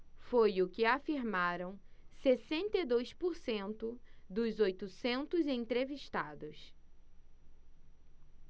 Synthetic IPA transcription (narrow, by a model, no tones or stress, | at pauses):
fojʊkɪafiɾmaɾɐ̃w̃sesẽnt̪ed̪ojspoɾsẽnt̪ʊd̪ʊzojt̪ʊsẽnt̪ʊzẽt̪ɾeviʃt̪ad̪ʊs